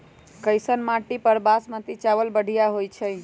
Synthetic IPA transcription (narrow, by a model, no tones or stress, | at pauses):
kəjsənmaʈipəɾbasmə̃t̪it͡ʃaʋəlbəɽ̤ʱijaɦojt͡ʃʰəj